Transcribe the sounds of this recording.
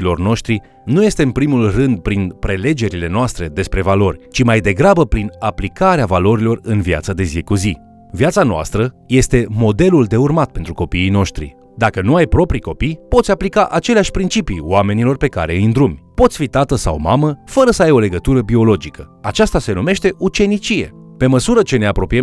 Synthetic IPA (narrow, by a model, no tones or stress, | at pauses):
lo̞rno̞ʃt̪ɾi | nuje̞st̪e̞ɨnpɾimulrɨnd̪̚pɾinpɾe̞le̞d͡ʒe̞ɾile̞noast̪ɾe̞d̪e̞spɾe̞valo̞rʲt͡ʃimajd̪e̞ɡɾabəpɾinaplikaɾeavalo̞ɾilo̞rɨnvja̰t̪səd̪e̞zikuzi | vjat̪sanoa̰st̪ɾəje̞st̪e̞mo̞d̪e̞luld̪e̞urmat̪̚pe̞nt̪ɾuko̞piijno̞ʃt̪ɾḭ | d̪akənuajpɾo̞pɾiko̞pijpot̪sʲaplikaʔat͡ʃe̞leaʃʲpɾint͡ʃipijw̰ame̞nilo̞rpe̞ka̰ɾe̞ɨind̪ɾumʲpo̞t̪sʲfit̪at̪əsa̰wmaməfəɾəsəajo̞le̞ɡət̪uɾəbio̞lo̞d͡ʒikʰəat͡ʃast̪ase̞nume̞ʃt̪e̞ʔut͡ʃe̞nit͡ʃije̞̰pe̞məsuɾət͡ʃe̞ne̞apɾo̞pijem